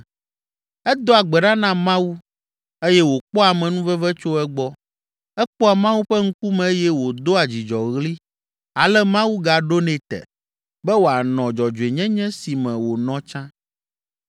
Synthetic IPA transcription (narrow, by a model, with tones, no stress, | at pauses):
ɛ˦d̪o˦a˨ɡ͡bɛ˨ɖa˦nã˦mã˦wu˦ | e˦jɛ˦wo˨k͡pɔ˦a˨mɛ̃˨nũ˦vɛ˦vɛ˦t͡ʃo˦ɛ˦ɡ͡bɔ˦ | ɛ˦k͡pɔ˦a˨mã˦wu˦ɸɛ˦ŋ̩˦ku˦mɛ̃˨˦jɛ˦wo˨d̪o˦a˨d͡ʑi˨d͡ʒɔ˨ɣli˦ | a˨lɛ˦mã˦wu˦ɡa˨ɖo˦nɛ̃˨t̪ɛ̰˨ | bɛ˦wo˨a˨nɔ̃˨d͡ʒɔ˨d͡ʒo˨e˨ɲɛ̃˦ɲɛ̃˦si˨mɛ̃˨wo˨nɔ̃˦t͡ʃã˦